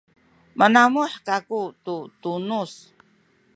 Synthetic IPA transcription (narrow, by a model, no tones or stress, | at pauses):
mənamuħkakut̪ut̪unus